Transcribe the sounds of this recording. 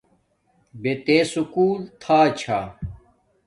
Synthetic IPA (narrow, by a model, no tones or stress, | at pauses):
bet̪eːsukuːlt̪ʰaːt͡ɕʰaː